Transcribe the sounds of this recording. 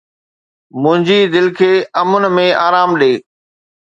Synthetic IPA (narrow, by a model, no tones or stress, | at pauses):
mʊ̃ɦɪ̃ɲd͡ʑiːd̪ɪlkʰeːɐmʊnɪ̆mẽaːɾaːmɗeː